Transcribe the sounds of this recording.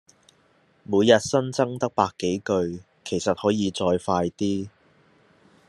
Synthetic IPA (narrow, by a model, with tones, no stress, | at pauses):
muː˨˧jjɐ˨t̚sɐ˥nt͡sɐ˥ŋt̪ɐ˥k̚paː˧kːe˨˥jkɵ˧ɥ | kʰe˨˩jsɐ˨t̚hɔː˨˥jiː˨˧t͡sɔː˧jfaː˧jt̪iː˥